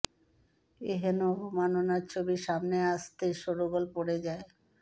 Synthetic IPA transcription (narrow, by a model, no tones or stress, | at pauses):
eɦenoɔbʱomanonaɾt͡ɕʰobiʃamneaʃt̪eʃoɾoɡolpoɽed͡ʑae